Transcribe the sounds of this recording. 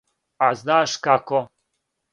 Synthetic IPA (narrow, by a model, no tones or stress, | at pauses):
aznaːʃkako